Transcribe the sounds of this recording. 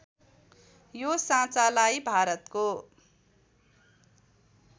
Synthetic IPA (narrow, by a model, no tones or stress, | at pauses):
josãt͡salajbʱaɾʌt̪ko